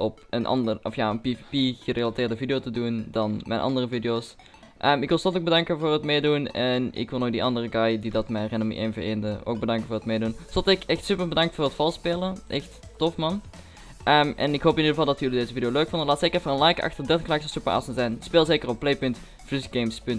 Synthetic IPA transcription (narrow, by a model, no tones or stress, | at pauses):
ʔɔp̚ənʔɑ̰ndərɔfja̰ːənpivipiɣərelatɪːrdəvidijotədundɑnmɛ̰jnʔɑ̰ndərəvidioːs | ʔəːmɪkʋɪlˠsɔtoɡ̚bədɑŋkəvʊːrɦətmejdunɛnɪ̰kʋɪlˠoːk̚diʔɑndərəɡɑjdidɑtmɛrɪnomḭʔḛnvəḛːndəo̰ːɡ̚bədɑŋkənvʊːrətmejdunsɔtɛkɛxtsypəɹbədɑŋktfʊːrətfɑlˠspeːlˠəʔɛxtːɔfmɑn | ʔəmʔɛ̰nɪkɦoːwpɪnidəvɑlˠdɑtjɵlidezəvidijoløɥkfɔndəlaːtsekərɛfərənlɑjkɑ̰xtərdɛtəŋklaksəsupəa̰ːsənzɛjnspeːlˠzeːkərɔpːlejpɵnt | fysɡejmspɵnt